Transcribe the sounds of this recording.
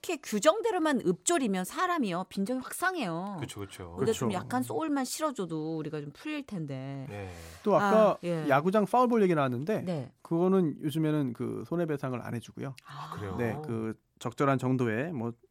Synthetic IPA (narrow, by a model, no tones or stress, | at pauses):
kʰekjud͡ʑʌŋde̞ɾomanɯp̚t͡ɕ͈oɾimjʌnsʰaɾamiopind͡ʑʌŋiɸwak̚s͈aŋɦe̞joɯt͡ɕʰokɯt͡ɕʰoɯndeomjak̚k͈ans͈oɭmanɕʰiɾʌd͡ʑodoːɾiɡat͡ɕompʰuʎːiɭtʰe̞nde̞ | t͈oak͈aje̞jaɡud͡ʑaŋf͈aɯɭboɭjeɡiɾɯɦanːɯnde̞ne̞kɯɡʌnɯnjod͡ʑumenɯnkɯ̰sʰone̞be̞sʰaŋɯɾa̰nɦe̞d͡ʑuɡṵjoakɯɾene̞kɯ | t͡ɕʌk̚t͡ɕ͈ʌɾɦant͡ɕʌŋdoe̞mwʌ